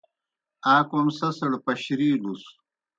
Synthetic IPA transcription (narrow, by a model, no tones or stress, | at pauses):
aːkomsɐsɐɽpɐɕɾiːɖus